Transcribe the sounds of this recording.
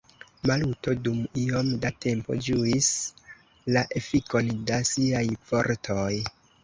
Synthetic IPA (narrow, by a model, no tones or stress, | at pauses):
maluto̞dumio̞mdatʰe̞mpo̞̰d͡ʒuis | laʔe̞fiko̞ndasiajfo̞ɾtʰoj